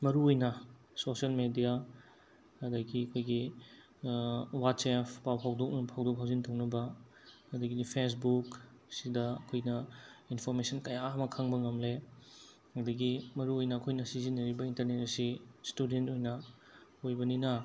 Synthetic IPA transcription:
mɐɾuojnɐ | sosiɐlmedijaː | dɐɡiɐkʰojɡi | wat̚sepʰpawpʰawdok̚nɐpʰawdok̚pʰawzintownɐbɐ | ɐdɐɡipʰes̬buk | sidɐɐkʰojnɐinpʰoɾmesɐnkɐjaɐmɐkʰaŋbɐŋɐmle | ɐdɐɡimɐɾuojnɐːkʰojnɐsizinːɐɾibɐintɐɾnetɐsistudentojnɐ | ojbɐninɐ

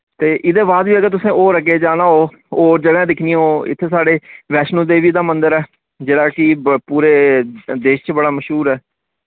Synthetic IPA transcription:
t̪eːʔɪd̪eːbaːd̪ʋiːəɡət̪̬ʊsẽːoːɾəɡeːd͡ʒaːnaːɦoː | oːd͡ʒəɡãːd̪ɪkʰnij̃ɦoːɪ̰t̪ʰːeːsaːɖeːʋɛːʃnũːd̪eːʋiːd̪aːmənd̪əɾɛː | d͡ʒeːɽaːkɪpuːɾeːd̪eːʃt͡ʃbəɽaːməʃɦuːɾɛː

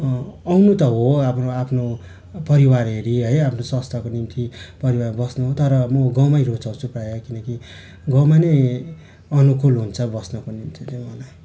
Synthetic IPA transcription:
ʌwnut̪ʌɦoapʰnoapʰno | pʌɾiwaɾɦeɾiɦʌjapʰnosʌst̪ʰakonimt̪ipʌɾiwarbʌsnuɦot̪ʌɾʌmʌɡʌwmajɾot͡sawt͡sʰuprajakinʌki | ɡʌwmanej | ʌnukulɦunt͡sʰʌbʌsnʌkonimt̪ʰit̪emʌla

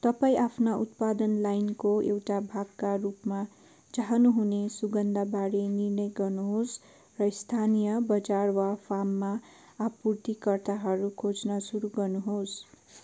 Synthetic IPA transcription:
t̪ʌpaĩʔapʰnaʔut̪̚pad̪ʌnlajnkoḛwʈabʱaɡkarupma | t͡saɦʌnuɦunesuɡʌnd̪ʱabaɾenirnʌjɡʌrnuɦos | rʌist̪ʰanijʌbʌd͡zarwapʰamːa | apurt̪ikʌrt̪aɦʌɾukʰot͡snʌsuɾuɡʌrnuɦos

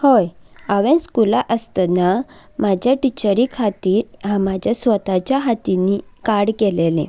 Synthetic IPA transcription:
hojaʋẽskulaʔəst̪na | mad͡ʑʱjaʈit͡ɕəɾikʰat̪iːɾɦãmad͡ʑʱjasʋət̪at͡ɕjaɦat̪inikaɽkelelḛ̃

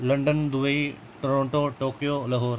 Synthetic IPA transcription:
lɐ̃ɳɖənd̪uʋɐi | ʈɾõːɳʈoʈoːkijolɐɦoːɾ

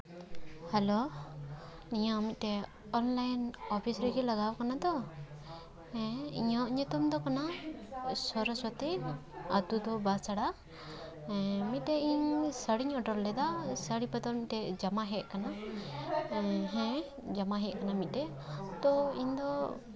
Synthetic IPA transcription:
hɛlo | niɲaːmit̪̚ˀt̪ɛ | ɔnlajnɔpʰisɾɛɡilaɡawkanad̪ɔ | hɛ̃iɲɔʔɲɔt̪umd̪ɔkana | sɔɾɔswat̪iat̪ud̪ɔbasaɽã | mit̪̚ˀt̪ɛiɲsəɽiɲɔʈɔɾlɛd̪asəɽipad̪ɔmit̪̚t̪ɛd͡ʒamaɦɛʔ̚kana | ɦɛ̃ | d͡ʒamaɦɛʔ̚kanamit̪̚ˀt̪ɛ | t̪ɔiɲd̪ɔ

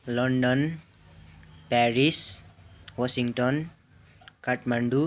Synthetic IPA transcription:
lɔɳɖɔn | pɛɾis | wɔsiŋʈɔn | kaʈmaɳɖu

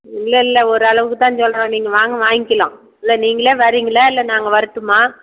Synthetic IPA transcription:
ɪlːɛɪlːɐɔɾɯɐɭɐʋɯkːɯt̪ãːsɔlːnãːniːŋɡɐʋaːŋɡɐʋaːŋɪkːɪlãː | ɪlːɛniːŋɡɐɭeːʋɐɾiːŋɡɐlɐɪlːɛnaːŋɡɐʋɐɾɯt̪ːɯmaː

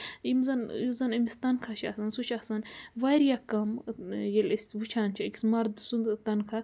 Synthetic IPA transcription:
jimzɐnjuzɐnɐmist̪ɐnkʰaʃiɐsɐnsut͡ʃʰasɐnʋaɾjakɐmjelʲesʲʋut͡ʃʰaːnt͡ʃʰakʲismɐɾd̪ɨsund̪t̪ɐnkʰa

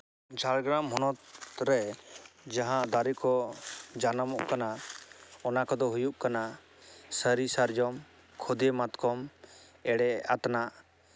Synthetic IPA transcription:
d͡ʒʱaɽɡɾamɦɔnɔt̪ɾɛ | d͡ʒaɦãʔd̪aɾikɔd͡ʒanamɔʔkana | ɔnakɔd̪ɔɦujuʔkana | səɾisaɾd͡ʒɔm | kʰɔd̪emat̪kɔm | ɛɽɛat̪naʔ

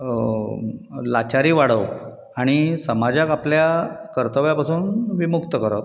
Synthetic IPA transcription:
lat͡ɕaɾiːʋaɽ̤əp | aɽ̃isəmad͡ʑakapljakəɾt̪əʋjapasuːnʋimukt̪əkəɾə̰p̚

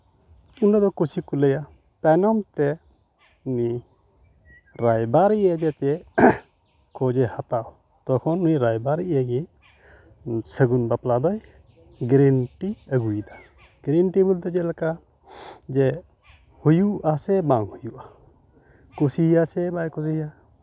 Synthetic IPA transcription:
unad̪ɔkusikuləja | t̪anɔmt̪ɛ | uni | ɾajbaɾiʔɛd͡ʒɛt͡ʃɛ | kɔd͡ʒɛhat̪aw | t̪ɔkʰɔnuniɾajbaɾiʔəɡi | səɡunbaplad̪ɔj | ɡɾinʈiəɡujd̪a | ɡɾinʈibult̪ɛd͡ʒɛlaka | d͡ʒɛ | hujuʔasɛbaŋhujuʔa | kusihjasɛbajkɔsiɦija

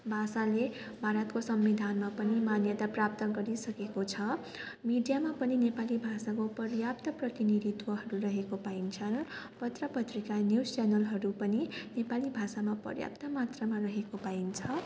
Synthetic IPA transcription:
bʱasale | bʱaɾʌt̪kosʌmːid̪ʱanmapʌnimanjʌt̪aprap̚t̪ʌɡʌɾisʌkekot͡sʰʌ | miɖijamapʌninepalibʱasakopʌrjap̚t̪ʌprʌt̪iniɾit̪wʌɦʌɾurʌɦekopaint͡sʰʌnpʌt̪rʌpʌt̪rikanjust͡ʃanʌlɦʌɾupʌninepalibʱasamapʌ̰rja̰p̚t̪ʌmat̪rʌmarʌɦekopaint͡sʰʌ

